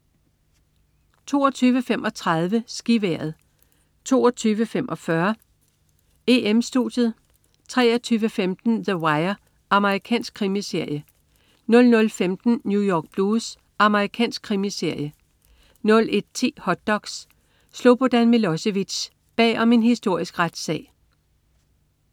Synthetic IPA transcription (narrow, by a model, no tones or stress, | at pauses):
t͡sʰo̝̰ːɒt͡sʰyːʋəfem̰ʔɒ̽t͡sʰʁɑ̈ð̞ˠʋəsɡ̥iʋæɐð̞̩ˠ | t͡sʰo̝̰ːɒt͡sʰyːʋəfemʔɒ̽fɶɐ | eʔemsd̥ṵd̥jð̞̩ˠ | t͡sʰʁɛ̰ːɐt͡sʰyːʋəfemd̥n̩ðəwɑ̈ɪɐ | ɑ̈məʁikʰɛ̰ːnsɡ̥̚kʰʁimise̝ɐ̰jə | nɔ̽lnɔ̽lfemd̥n̩njujɒːɡ̥̚b̥lus | ʔɑ̈məʁikʰɛ̰ːnsɡ̥̚kʰʁimise̝ɐ̰jə | nɔ̽lʔe̝d̥̚t͡sʰḭːhɒ̽d̥̚ɒ̽ɡ̥sː | lob̥od̥ænmiloseʋi̥ɕ | b̥ɛ̰ːɒ̽me̝nhisd̥o̝ɐ̰isɡ̥ʁad̥sɛ̰ː